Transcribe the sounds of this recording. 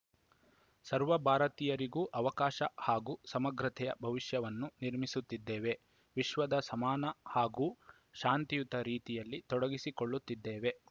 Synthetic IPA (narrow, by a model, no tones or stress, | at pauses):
sɐɾʋɐbʱaːɾɐt̪iːjɐɾiɡuːʔɐʋɐkaːʃɐhaːɡuːsɐmɐɡɾɐt̪ʰɛjɐ̰bʱɐʋiʃjɐʋɐnːuniɾmisut̪ːid̪ːeːʋe̞ | ʋiʃʋɐd̪ɐsɐmaːnɐhaːɡuː | ʃaːnt̪ijut̪ɐɾiːt̪ijɐlːit̪ɔɽɐɡisikoɭːut̪ːid̪ːeːʋe̞